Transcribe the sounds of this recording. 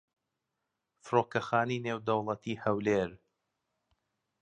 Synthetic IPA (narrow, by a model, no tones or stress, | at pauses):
fɾoːkɐxaːnineːwd̪ɐwlˠɐt̪ʰiːhɐwleɾ